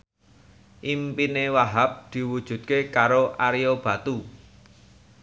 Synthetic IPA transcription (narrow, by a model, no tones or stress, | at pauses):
ʔimpinewaɦap̚d̪̥i̤wud̥ʒ̥ṳd̪̚kekaɾoʔaɾijob̥a̤t̪u